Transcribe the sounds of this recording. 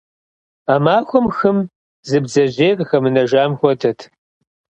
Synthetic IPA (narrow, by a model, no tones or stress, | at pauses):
amaːxʷɔmxɨm | zɨbzɐʑeːrʼxɐmɨnɐʒaːmxʷɔtʰɐtʰ